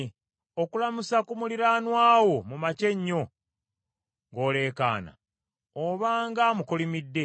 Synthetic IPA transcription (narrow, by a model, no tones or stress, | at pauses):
okulamusakumuliɾaːnwaːwo̞mumace̞ɲːo̞ | ŋɡo̞ːle̞ːka̰ːna̰ | oβaːŋɡaːmukolimidːe̞